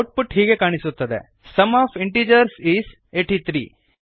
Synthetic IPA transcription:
wʈ̚puʈɦiːɡekaːɳ̃isut̪ːɐd̪ḛ | sɐmaːpʰiɳʈiːd͡ʒɐɾsiːs | eːʈit̪ʰɾḭː

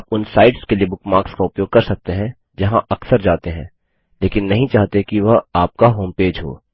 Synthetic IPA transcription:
aːpʊnsaːɪʈskeliebʊkmaːɾkskaʊpjoːɡ̚kɐɾsɐk̚t̪eɦɛ̃ | d͡ʒɐɦãʔɐksəɾd͡ʒaːt̪eɦɛ̃ː | leːkɪnːɐɦĩt͡ʃaːɦt̪ekiʋɐɦaːp̚kaɦoːmpeːd͡ʒɦo̰ː

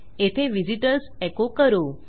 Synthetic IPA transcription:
et̪ʰeʋiziʈəɾsekokəɾo

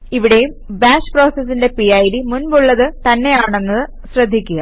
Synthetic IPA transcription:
iʋiɽe̞jumbaːɕpro̞ːsɐsːinde̞piɐjɾimunbuɭːɐðɨt̪ɐnːe̞jaːɳe̞nːɐðɨ | ɕrɐd̪ʱːikʲːuɣɐ

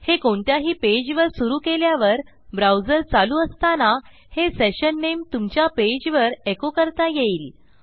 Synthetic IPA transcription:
hekoɳt̪jaɦiːped͡ʑʋəɾsuɾuːkeljaʋəɾ | bɾawd͡zəɾt͡saluːəst̪ana | heseɕənːemt̪umt͡ɕjaped͡ʑʋəɾekokəɾt̪ajeiːl

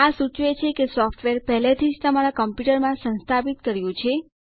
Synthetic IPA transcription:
asut͡ʃʋet͡ʃʰekesɔfʈʋeɾpɛɦlet̪ʰid͡ʒt̪əmaɾakəmpjuʈəɾmãsə̃nst̪ʰapit̪kəɾjũt͡ʃʰe

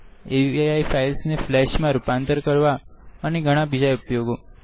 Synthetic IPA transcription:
eiajfailsneflɛʃmãɾupãnt̪əɾkəɾʋaəneɡʱəɽ̃ãbid͡ʒaupjoɡo

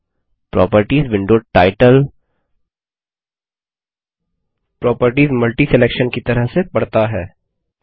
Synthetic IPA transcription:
pɾɔ̰ːpəɾʈiːzʋɪ̃ɳɖoːʈaːɪʈəl | pɾɔːpəɾʈiːzmɐlʈisɛleːkʃənkit̪ɐɾəɦsepɐɽ̤t̪aɦɛː

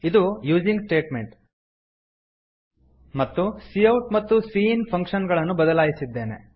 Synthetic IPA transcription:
id̪ujuːd͡ʒiŋɡsʈe̞ːʈme̞ɳʈ | mɐt̪ːusijɐwʈmɐt̪ːusiːnpʰɐŋkʂɐnɡɐɭɐnːubɐd̪ɐlaːjisid̪ːe̞ːne̞̰

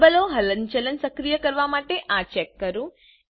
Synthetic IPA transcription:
bɐloːɦɐlɐɲt͡ʃɐlɐnsɐkɾijɐkɐɾʋaːmaːʈeʔaːt͡ʃekːɐɾu

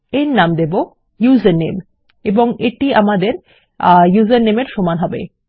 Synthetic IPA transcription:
eɾnamd̪ebo | juzenːem | eboŋeʈia̰mad̪eɾ | juzennemeɾʃomanɦɔbḛ

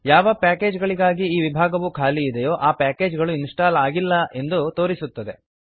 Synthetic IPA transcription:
jaːʋɐpaːke̞ːd͡ʒɡɐɭiɡaːɡiːʋibʱaːɡɐʋukʰaːliːd̪ejoːʔaːpaːke̞ːd͡ʒɡɐɭuinsʈaːlaːɡilːɐʔe̞nd̪ut̪o̞ːɾisut̪ːɐd̪e̞

